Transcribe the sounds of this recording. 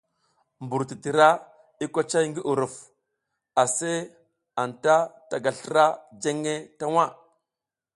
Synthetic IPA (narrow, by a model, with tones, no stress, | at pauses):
mbu˨ɾti˨ti˨ɾa˦ | i˦kʷa˦t͡ʃa˦jŋɡi˦ʔu˨ɾu˨f | a˨se˦ | a˨nta˦ta˨ɡa˨ɬə˦ɾa˦d͡ʒe˦ŋe˦ta˦wa˦˨